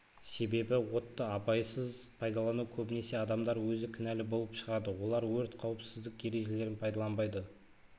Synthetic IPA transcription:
se̞be̞bɪwo̞t̪ːəɑpɑjsəzpʰɑjd̪ɑlˠɑnukʲʰɵbɪne̞se̞ɑd̪ɑmd̪ɑɾwɵzɪkʲʰʏnælɪbo̞lˠəpʃəʁɑd̪əwo̞lˠɑɾwɵɾt̪qʰɑwəpsɪzd̪ɪkje̞ɾe̞ʒe̞le̞ɾɪnpʰɑjd̪ɑlˠɑnbɑjd̪ə

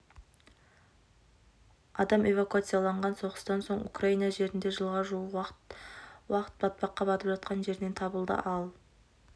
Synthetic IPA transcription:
ɑd̪ɑme̞vakuat̪sɨjalˠɑɴʁɑnso̞ʁəst̪ɑnso̞ɴṵkraijnɑʒe̞ɾɪnd̪e̞ʒəlˠʁɑʒuə | wɑqə̥t̪̚bɑt̪̚pɑqːɑbɑt̪əpʒɑt̪̚qɑnʒe̞ɾne̞nt̪ʰɑbəlˠd̪ə̰ʔɑlˠ

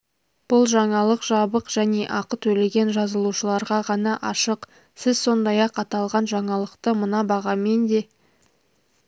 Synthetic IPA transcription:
b̥ʊlˠʒɑɴɑlˠəqʒ̥ɑbəqʒ̥æne̞ʔɑqət̪ʰɵle̞ɡʲe̞nʒɑzəlˠuʃəlˠɑɾʁɑʁɑnɑʔɑʃəq | sɪzso̞nd̪ɑjɑqɑt̪ɑlˠʁɑnʒɑɴɑlˠəqt̪əmənɑbɑʁɑme̞nd̪e̞

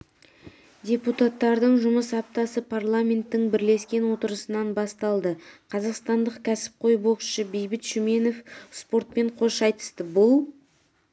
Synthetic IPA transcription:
dʲe̞put̪at̪ːɑɾd̪əɴʒʊməsɑp̚t̪ɑsəpʰarlˠamʲe̞nt̪ːɪŋbɪɾle̞skʲe̞nwo̞t̪əɾəsənɑnbɑst̪ɑlˠd̪əqʰɑzɑqst̪ɑnd̪əqkʲʰæsɪ̥p̚qʰo̞jbo̞kʃəbe̞jbɪt̪ʃʏme̞nofspo̞rt̪̚pe̞ɴqʰo̞ʃɑjt̪ə̥st̪əbʊlˠ

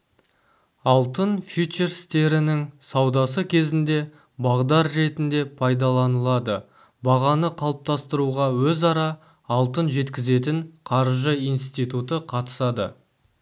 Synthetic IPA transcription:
ɑlˠt̪ənfit͡ʃeɾst̪e̞ɾɪnɪŋsɑwd̪ɑsəkʲʰe̞zɪnd̪e̞ | bɑʁd̪ɑɾːe̞t̪ɪnd̪e̞pʰɑjd̪ɑlˠɑnəlˠɑd̪ə | bɑʁɑnəqʰɑlˠəp̚t̪ɑst̪əɾuʁɑwɵzɑɾɑ | ɑlˠt̪ənʒe̞t̪kʲɪze̞t̪ɪŋqʰɑɾʒəijnst̪ijt̪ut̪əqʰɑt̪ə̥sɑd̪ə̰

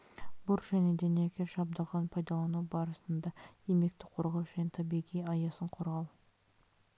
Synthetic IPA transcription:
bʊɾʒæne̞d̪eniekʲeʃɑb̚d̪ɑʁɑnpʰɑjd̪ɑlˠɑnubɑɾəsənd̪ɑembe̞k̚t̪ɪ̥qʰo̞ɾʁɑwʒænet̪ʰɑbijʁijɑjɑsəɴqʰoɾʁɑw̪ˠ

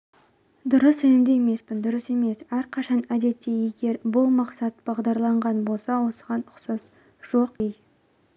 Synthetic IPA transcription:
d̪ʊɾəsænɪmd̪ejeme̞spɪnd̪ʊɾəse̞me̞sæɾqʰɑʃɑnæd̪e̞t̪ːe̞je̞ɡʲe̞ɾbʊlˠmɑqsɑt̪b̥ɑʁd̪ɑɾlˠɑɴʁɑnbo̞lˠsɑwo̞sə̥ʁɑnʊqsɑz | ʒ̥o̞qij

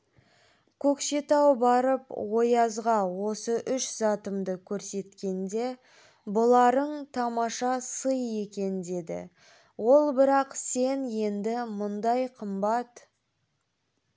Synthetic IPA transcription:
kʲʰɵkʃe̞t̪ɑwbɑɾəpwo̞jɑzʁɑwo̞səʔʏʃzɑt̪əmd̪əkʲʰɵɾse̞t̪kʲe̞nd̪e̞ | bʊlˠɑɾəɴt̪ʰɑmɑʃɑsəje̞kʲe̞nd̪e̞d̪ɪ̰ | wo̞lˠbɪɾɑqse̞nje̞nd̪ɪmʊnd̪ɑjqʰəmbɑt̪

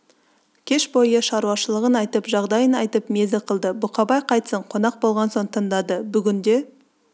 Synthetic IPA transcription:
kʲʰe̞ʃbo̞jəʃɑɾuwɑʃəlˠəʁənɑjt̪əpʒɑʁd̪ɑjənɑjt̪əpme̞zɪqʰəlˠd̪əbʊqʰɑbɑjqʰɑjt̪səɴqʰo̞nɑq̚bo̞lˠʁɑnsoɴt̪ʰənd̪ɑd̪əbʏɡʲɪnd̪e̞

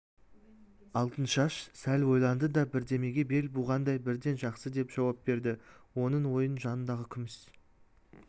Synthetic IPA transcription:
ɑlˠt̪ənʃɑʃsælʲwo̞jlˠɑnd̪əd̪ɑbɪɾd̪e̞me̞ɡʲe̞be̞lbʊʁɑnd̪ɑjbɪɾd̪e̞nʒɑqsəd̪e̞pʒ̥ɑwɑp̚be̞ɾd̪ɪwo̞nəɴwo̞jənʒɑnənd̪ɑʁəkʲʰʏmɪs

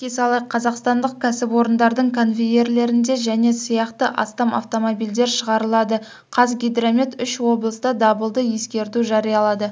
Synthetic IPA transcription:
kʲesɑlˠɑjqʰɑzɑqst̪ɑnd̪əq̚kʲʰæsɪpwo̞ɾənd̪ɑɾd̪əɴkʲʰonvʲeje̞ɾle̞ɾɪnd̪e̞ʒæne̞sijɑqt̪əʔɑ̰st̪ɑmɑ̰ft̪o̞mobijld̪e̞ɾʃəʁɑɾəlˠɑd̪ə | qʰɑzɡʲijd̪ɾamʲit̪ʏʃwo̞blˠəsd̪ɑd̪ɑbəlˠd̪əje̞skʲe̞ɾt̪uʒɑɾijɑlˠɑd̪ə

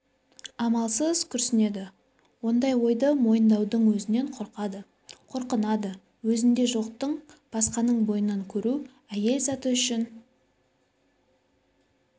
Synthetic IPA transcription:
ɑmɑlˠsəzkʲʰʏɾsɪne̞d̪ɪ | wo̞nd̪ɑjwo̞jd̪əmo̞jənd̪ɑwd̪əɴwɵzɪne̞ɴqʰoɾqɑd̪ə | qʰoɾqənɑd̪ə | wɵzɪnd̪e̞ʒo̞q̚t̪əɴb̥ɑsqɑnəɴbo̞jənɑɴkʲʰɵɾu | æje̞lsɑt̪əʏʃɪn

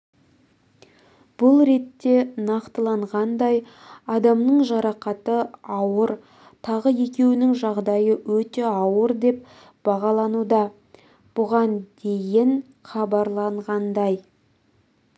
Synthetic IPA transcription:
b̥ʊlˠɾe̞t̪ːe̞nɑqt̪əlˠɑɴʁɑnd̪ɑj | ɑd̪ɑmnəɴʒɑɾɑqɑt̪əɑwəɾ | t̪ʰɑʁəje̞kʲe̞wɪnɪŋʒɑʁd̪ɑjəwɵt̪e̞ɑwəɾd̪e̞p̚ | b̥ɑʁɑlˠɑnud̪ɑ | b̥ʊʁɑnd̪̥e̞jɪŋ | χɑbɑɾlˠɑɴʁɑnd̪ɑj

